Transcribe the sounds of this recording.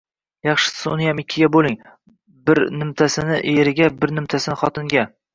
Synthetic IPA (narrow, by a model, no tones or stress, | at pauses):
jɑχʃɪ̥ssʊnɪjamɪkʲʰːɪɡʲabolˠɪŋ | bɪɾnɪmt̪ʰasɪnɪʔeɾɪɡʲabɪɾnɪmt̪ʰasɪnɪχɒt̪ʰɪŋɡʲa